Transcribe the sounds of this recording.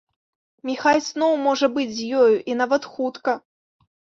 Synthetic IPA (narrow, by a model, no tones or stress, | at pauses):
mʲixajsnɔwmɔʐɐbɨd͡zʲzʲjɔjuʔinavɐt̪xut̪kɐ